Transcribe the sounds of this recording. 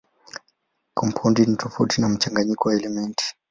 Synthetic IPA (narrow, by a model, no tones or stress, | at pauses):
kʰɔmpʰaundinitɔfautinam̩t͡ʃaŋɡaɲikɔwaɛlɛmɛnti̥